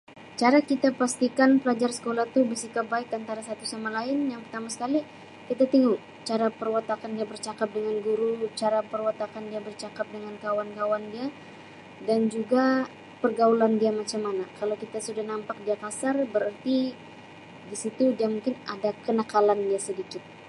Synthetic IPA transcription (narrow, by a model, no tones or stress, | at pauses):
t͡ʃaɾakit̪apast̪ikanpəlad͡ʒarsə̥kolat̪ubəsikabaɪkant̪aɾasat̪usamalaɪnjaŋpərt̪amasə̥kali | kit̪at̪iŋu | t͡ʃaɾapərwat̪akandiabərt͡ʃakap̚dəŋanɡuɾut͡ʃaɾapərwat̪akandiabərt͡ʃakap̚dəŋankawankawandia | dand͡ʒuɡa | pərɡaulandiamat͡ʃamanakalawkit̪asudahnampak̚diakasarbəɾərt̪i | disit̪udiamuŋkɪnadakənakalandiasədikɪt̪̚